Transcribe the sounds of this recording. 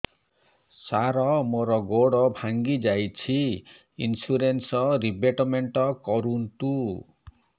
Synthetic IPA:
saɾɔmoɾɔɡoɽɔbʱaŋɡid͡ʒajt͡ʃʰi | ḭnsuɾensɔɾibeʈɔmeɳʈɔkɔɾunt̪u

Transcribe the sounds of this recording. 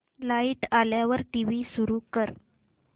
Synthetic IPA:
laiʈaljaʋəɾʈiʋiːsuɾukəɾ

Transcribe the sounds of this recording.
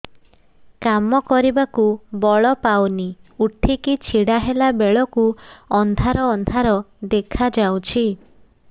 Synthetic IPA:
kamɔkɔɾibakubɔɭɔpawniuʈʰikit͡ʃʰiɽaɦelabeɭɔkuɔnd̪ʱaɾɔːnd̪ʱaɾɔd̪ekʰad͡ʒawt͡ʃʰi

